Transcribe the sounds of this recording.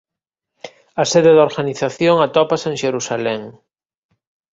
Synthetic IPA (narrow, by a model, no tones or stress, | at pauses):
aseðeðoɾɣaniθaθjoŋat̪ɔpaseŋʃeɾusalɛŋ